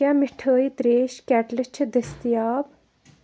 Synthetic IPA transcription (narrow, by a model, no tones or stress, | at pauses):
ãːmɪʈʰəːjit̪ɾeːʃkʲæːʈlɐt͡ʃʰɐd̪ɐst̪ijaːb